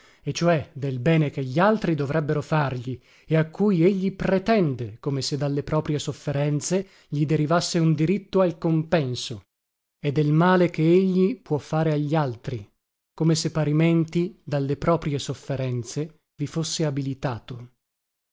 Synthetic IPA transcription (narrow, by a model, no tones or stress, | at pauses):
et͡ʃːoɛd̪elbɛːnek̟eʎːialt̪ɾid̪ovɾɛbːeɾofarʎi | eakːujeʎːipɾet̪ɛnd̪ekomesed̪ːalːepɾɔːpɾijesofːeɾɛnt̪se | ʎid̪eɾivasːeund̪iɾit̪ːoalkompɛnso | ed̪ːelmaːlekeeʎːipwɔfːaːɾeaʎːialt̪ɾi | komesepːaɾiment̪id̪alːepɾɔːpɾiesofːeɾɛnt̪se | vifosːeabilit̪aːt̪o